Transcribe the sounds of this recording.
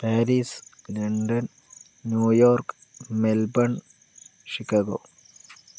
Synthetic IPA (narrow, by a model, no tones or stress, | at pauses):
pɛːɾislɐɳɖɐnː | juːjoːɾk | melbɐɳ | ʃikaːɡo̰ː